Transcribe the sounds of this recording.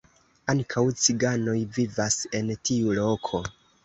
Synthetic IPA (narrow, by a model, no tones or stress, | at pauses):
aŋkʰawt͡siɡano̞jvivase̞ntʰiulo̞kʰo̞